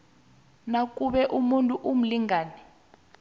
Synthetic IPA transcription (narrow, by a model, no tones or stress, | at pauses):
nak̬ʼuɓɛʔumuntʼuʔum̩liŋaːnɛ